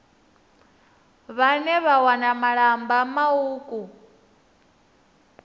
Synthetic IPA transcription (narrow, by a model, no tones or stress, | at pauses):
βanɛβawanamaɺambamauːkʼu